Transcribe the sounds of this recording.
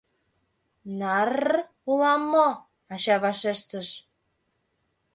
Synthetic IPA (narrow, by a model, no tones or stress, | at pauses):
nɑr | ulɑmːo | ɑɕɑβɑʃeʃt̪əʃ